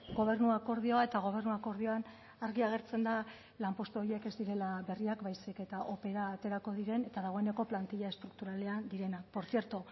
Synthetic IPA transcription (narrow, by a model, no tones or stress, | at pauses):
ɡo̞β̞e̞rnuako̞ɾð̞ioae̞t̪aɣ̞o̞β̞e̞rnuako̞ɾð̞io̞an | aɾɣiaɣ̞e̞ɾt͡se̞nd̪a | lampo̞st̪uoie̞ke̞zd̪iɾe̞laβe̞riakbajsike̞t̪aʔo̞pe̞ɾaːt̪e̞ɾako̞ð̞iɾe̞ne̞t̪aðaɣ̞o̞ene̞ko̞plant̪iʎae̞st̪ɾuk̚t̪uɾale̞and̪iɾe̞nakpo̞ɾθie̞ɾt̪o